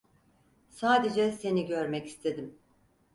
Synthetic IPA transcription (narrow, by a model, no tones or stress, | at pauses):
saːd̪e̞d͡ʒɛse̞niɟø̞ɾmɛci̥st̪ʰe̞d̪im